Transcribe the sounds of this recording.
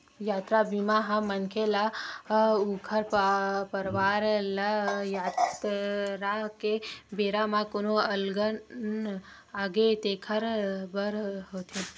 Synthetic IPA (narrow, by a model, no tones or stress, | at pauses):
jaːt̪ɾabimaɦãmənkʰela | ukʰəɾppəɾʋaːɾlajaːt̪ | ɾakebeːɾamãkonoəlɡə | aɡet̪eːkʰəɾbəɾɦoːt̪ʰe